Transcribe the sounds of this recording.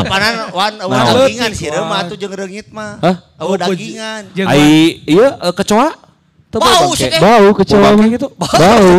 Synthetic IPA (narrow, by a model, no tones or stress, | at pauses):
pananwanəwaaəiŋansiɾəmaud͡ʒəŋɾəŋit̪̚maəh | əwədaɡiŋand͡ʒaiijəəkət͡ʃoa | t̪əbbaabaukət͡ʃoamaɡit̪ubbau